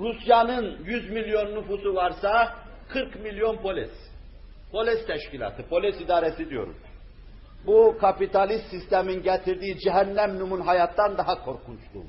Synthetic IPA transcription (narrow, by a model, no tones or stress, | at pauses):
ɾusjanɯnjyzmilʲjo̞nːufusuvaɾsa | kʰɯɾkmilʲjo̞npʰolʲis | pʰo̞lʲist̪ʰɛʃcilʲˠa̰ːt̪ʰɯpʰo̞lʲisid̪aːɾɛsid̪ijo̞̰ɾṵn | bukʰapit̪ʰalʲist̪sist̪ʰɛminɟɛt̪ʰiɾd̪iːd͡ʒɛɦænːæmnumunɦajat̪d̪ːand̪aɦakʰo̞ɾkʰunt͡ʃlˠṵ